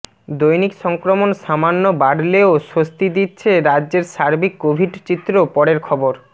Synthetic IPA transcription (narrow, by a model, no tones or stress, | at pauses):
d̪ojnikʃɔŋkɾomonʃamanːobaɖleoʃost̪id̪itːɕʰeɾadːd͡ʑeɾʃaɾbikːobʱiɖt͡ɕit̪ːɾopɔɽeɾkʰɔboɾ